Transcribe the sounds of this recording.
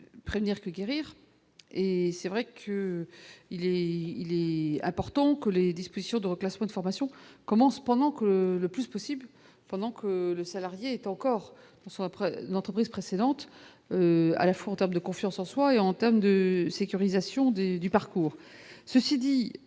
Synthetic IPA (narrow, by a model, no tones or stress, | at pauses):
pχevniʁkəɡʲeʁiːʁ | esɛvʁɛkʰə | ilɛilɛɛ̃pɔʁt̪ɑ̃kəled̪ispozisjɔ̃d̪əʁəklasmɑ̃ed̪əfɔʁmasjɔ̃kɔmɑ̃spɑ̃d̪ɑ̃kələplyspɔsibl | pɑ̃d̪ɑ̃kʰələsalaʁjeːt̪ɑ̃kɔːʁ | d̪̥ɑ̃sɔ̃pnɑ̃t̪χəpχizpχesed̪ɑ̃t̪ | øa̰lafwaɑ̃t̪ɛʁmd̪əkɔ̃fjɑ̃sɑ̃swaeɑ̃t̪ɛʁmd̪əsekʲyʁizasjɔ̃d̪ed̪ypaʁkuːʁ | səsid̪i